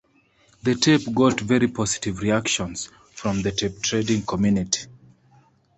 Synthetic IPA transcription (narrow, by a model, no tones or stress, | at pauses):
ðətʰɛpɡɔtvɛɹipʰɔsi̥tivɹiakʃɔ̃nz̥ | fɹɔ̃mðətʰɛp̚tʰɹedĩŋkʰɔmjuniti̥